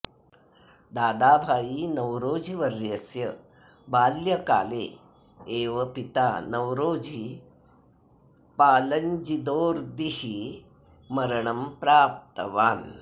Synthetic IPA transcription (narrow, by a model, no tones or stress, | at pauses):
d̪aːd̪aːbʱaːjiːnɐwɾoːd͡ʒʱiʋɐɾjɐsjɐ | baːljɐka̰ːleː | eːʋɐpit̪aːnɐwɾoːd͡ʒʱi | paːlɐɲd͡ʒid̪oːɾd̪ihi | mɐɾɐɳɐmpɾaːp̚t̪ɐ̰ʋaːn